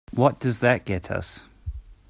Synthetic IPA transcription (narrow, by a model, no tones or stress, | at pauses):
wɒʔ̚d̥əzðəʔ̚ɡ̥ɛtʰə̰s